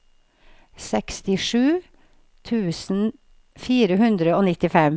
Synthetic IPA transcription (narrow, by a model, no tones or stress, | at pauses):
sɛkst̪ɪʂʉː | t̪ʰʉːsn̩ | fiːɾəɦʉnd̪ɾəoːnɪt̪ɪfɛm